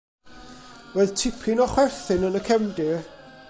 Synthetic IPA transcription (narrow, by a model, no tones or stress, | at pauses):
wɛðtʰɪpʰinɔχwɛrθɪnənəkʰɛmdɪ